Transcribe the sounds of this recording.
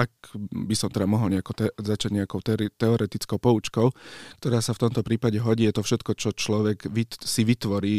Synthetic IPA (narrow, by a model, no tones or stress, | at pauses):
akbisɔmt̪ɛd̪amɔɦɔlɲɛakɔt̪ɛzat͡ʃaɟɲɛakɔʊt̪ɛit̪ɛɔɾɛt̪it͡skɔʊpɔut͡ʃkɔʊkt̪ɔɾaːsaft̪ɔmt̪ɔpɾiːpaɟɛɦɔɟiːjɛt̪ɔfʃɛt̪kɔt͡ʃɔt͡ʃlɔʋɛɡʋisiʋit̪ʋɔɾiː